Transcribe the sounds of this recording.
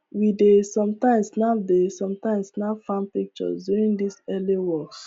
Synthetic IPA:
widesɔ̃mtãɪ̃msnaʊdesɔ̃mtãɪ̃msnaʊfãnpik̚t͡ʃɔ̰sdjuɹĩndisɛliwɔks

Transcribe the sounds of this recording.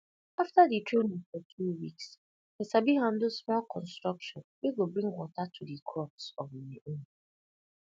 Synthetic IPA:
aftaditʰɹẽnĩŋfɔtʰuwiks | esabiɦãndlspɛlkʰɔ̃nstɹ̥ʌkʃɔ̃nweɡobɹĩŋwɔtatʰudikʰɹɔpsɔviʔõn

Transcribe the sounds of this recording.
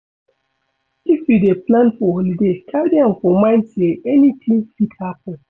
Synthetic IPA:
ifideplãnfɔhɔlidekʰawdiãnfɔmãɪ̃nteɛnitʰĩŋfitʰapʊ

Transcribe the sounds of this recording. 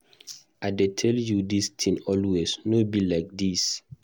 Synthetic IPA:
aɪdetʰɛljudistʰĩnɔlwesnobilaɪk̚dis

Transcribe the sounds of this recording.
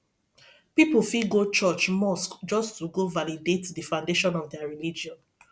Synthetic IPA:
pipol̩fiɡot͡ʃɔt͡ʃmɔskd͡ʒɔstʰuɡovalidetdifãʊ̃ndeʃɔ̃nɔvdɛaɹilid͡ʒiɔ̃n

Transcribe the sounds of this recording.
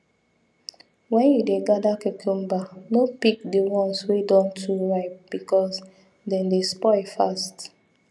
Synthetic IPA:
wɛ̃njudeɡadakekʰõmbanopik̚diwɔ̃nswedɔ̃ntʰuɹaɪp̚b̥ikɔs | dɛ̃ndespɔɪfast

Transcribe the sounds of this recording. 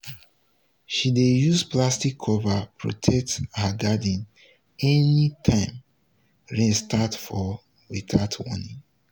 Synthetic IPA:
ʃidejusplastikʰːɔvapʰɹo̰tʰɛk̚thaɡadĩn | ɛnitʰãɪ̃m | ɹɛ̃stʰatfɔ | wiθaʊtʰwɔ̰nĩŋ

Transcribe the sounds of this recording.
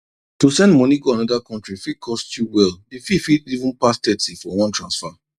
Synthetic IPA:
tosɛ̃ndmɔ̃niɡoanɔdakɔ̃ntɹifikʰɔstjuwɛldififidivũnpastɛtifɔwɔ̃ntʰɹãnsfa

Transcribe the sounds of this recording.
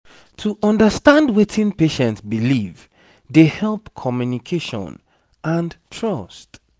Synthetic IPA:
tʰuʔɔ̃ndəstãndwetʰĩnpeʃɛ̃ntsbiliv | dehɛlˠpkʰɔmjunikʰeʃɔ̰̃n | ʔãntʰɹɔst

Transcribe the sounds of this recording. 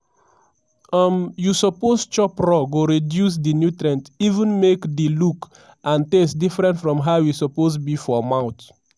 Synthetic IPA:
ʌmjusəpozt͡ʃɔpɹɔɡoɹidjus̬dinjutɹɛ̃ntivə̃nmekdiluk | ʔãntesdifɹɛ̃ntfɹɔ̃mɦaʊjusɔposbifɔmãʊ̃t

